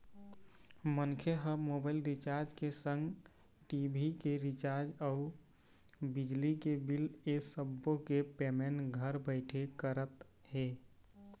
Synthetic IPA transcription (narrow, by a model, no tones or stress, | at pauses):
mənkʰeɦəmobaɪlɾit͡ʃaɾd͡ʒkesə̃ŋɡ | ʈibʱikeɾit͡ʃaɾd͡ʒau | bid͡ʒlikebilesəbːokepemenʈɡʱəɾbəɪʈʰekəɾət̪ | ɦe